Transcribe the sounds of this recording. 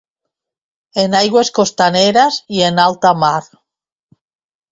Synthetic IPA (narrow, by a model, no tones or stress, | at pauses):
enajɣweskost̪aneɾasienalt̪amaɾ